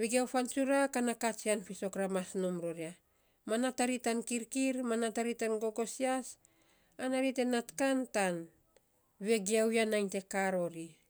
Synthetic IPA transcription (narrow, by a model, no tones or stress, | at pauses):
βeɡiawfansuɾakanakat͡ʃianfiso̞kɾamasnomɾoɾia | manataɾitankiɾkiɾmanataɾitanɡo̞ɡo̞sias | anaɾite̞natkantan | βe̞ɡiawjanajnte̞kaɾo̞ɾi